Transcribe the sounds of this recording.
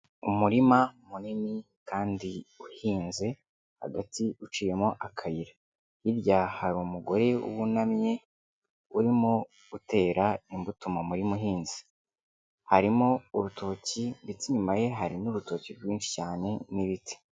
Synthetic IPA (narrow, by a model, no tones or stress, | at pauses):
umuɾimamunimi | kaːndiuhiːnze̞ | ha̰ɡatiut͡ʃiːje̞moʔakʰajiɾa | hiɾɟahaɾumuɡo̞ɾe̞ṵwunamɲe̞ | uɾimo | ute̞ːɾaimbutumamuɾimuɦiːnzi̥ | haɾimo̞uɾutʰo̞cindit͡siɲumaje̞ɦaɾinuβuto̞ːciɾɡwiːnʃi̥caːne̞niβiti̥